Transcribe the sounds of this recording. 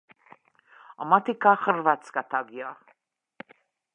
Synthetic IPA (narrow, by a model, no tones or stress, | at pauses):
amat̪ʰikʰaχəɾvat̪sʰkat̪ʰaɡia